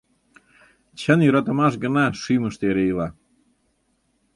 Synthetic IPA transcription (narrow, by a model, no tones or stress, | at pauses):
t͡ɕənjuɾɑt̪ə̆mɑʃ̬ɡə̆nɑʃɨməʃt̪eɾejlˠɑ